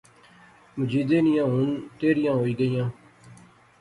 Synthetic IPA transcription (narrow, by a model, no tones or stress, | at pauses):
mʊd͡ʒiːd̪eːnɪjãːɦʊnt̪eːɾɪjãːɦoːiːɡəijãː